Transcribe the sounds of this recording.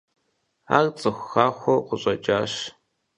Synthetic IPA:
a̰ːrt͡sʼɨxʷxaːxʷɔqʷʊɕʼɐt͡ʃʼaːʃ

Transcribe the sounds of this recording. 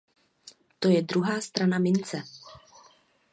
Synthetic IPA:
t̪o̞jɛdɾuɦaːst̪ɾanamɪnt͡sɛ

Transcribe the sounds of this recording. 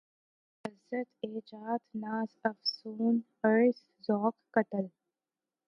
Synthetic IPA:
ɐzɐt̪eːd͡ʒaːd̪naːzɐfsuːn | əɻs | zɔːkːɐt̪əl

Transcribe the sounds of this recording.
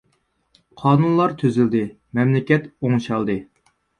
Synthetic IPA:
qʰɑːnunlˠɑɾt̪ʰøzyld̪ɪ | mɛmlɪkʲɛt̪oŋʃɑlˠd̪ɨ

